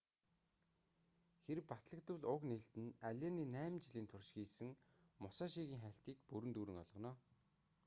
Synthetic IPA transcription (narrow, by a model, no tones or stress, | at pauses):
xeɾɘpat̪ɮə̆k̚t̪ʊ̆ɮʊkneɬt̪ɘ̆næɮʲaːniːnæːmt͡ɕɪɮiːnt̪ʰʊrʃxiːsɘ̆ŋ | mʊsaːʃiːɣʲiːŋχæɬt̪iːkpuɾɘ̆nt̪uːɾɘ̆ŋɔ̰ɮʁɞ̆nɔː